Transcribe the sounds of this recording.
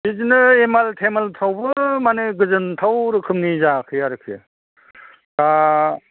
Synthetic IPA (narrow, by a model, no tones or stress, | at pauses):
bizinɯemaltʰemalt̪ʰawbɯmanɯɡɯzɯntʰawɾɯkʰɯmnizakʰɯjaɾɯkʰḭ | ɾa